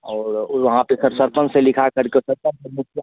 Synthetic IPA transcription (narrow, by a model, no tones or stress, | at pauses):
ɔːɾʋɐɦãpesəɾsəɾpənselɪkʰakəɾkesəɾpə̃nsəɾmʊkʰja